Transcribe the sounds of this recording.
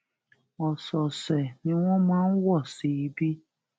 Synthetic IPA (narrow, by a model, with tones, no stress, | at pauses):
ɔ˨sɔ˨sɛ˨nĩ˦w̃ɔ̃˦mãː˦˧n̩˦wɔ˦˨si˨˦i˨˦bi˦